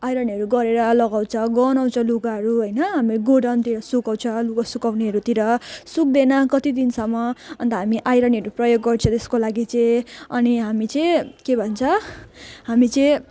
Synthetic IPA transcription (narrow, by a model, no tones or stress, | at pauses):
ajɾʌniɦʌɾuɡʌɾeɾʌlʌɡaw̃t͡sʰʌɡʌnaw̃t͡sʰʌluɡaɦʌɾuɦʌjnʌɦamiɡoɽʌnt̪iɾʌsukaw̃t͡sʰʌlukasukawniɦʌɾut̪iɾʌsuk̚d̪enʌkʌt̪id̪insʌmːʌʌnt̪ʌɦamiʔajɾʌniʌɾuprʌjoɡːʌrt͡sʰʌt̪eskolaɡit͡sʌjʌniɦamit͡sʌjkebʱʌnt͡sʰʌ | ɦamit͡sʌj